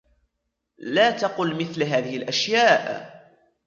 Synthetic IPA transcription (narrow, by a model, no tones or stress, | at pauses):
laːt̪ɑqʊlmɪθlɦaːðɪhɪlʔaʃjaːʔ